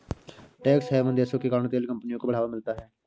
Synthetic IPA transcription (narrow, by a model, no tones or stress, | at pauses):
ʈɛːksɦɛːmənd̪eːsoːkekaːnõt̪eːlkəmpənɪjõkoːbəɽ̤aːʋamɪlt̪aːɦɛː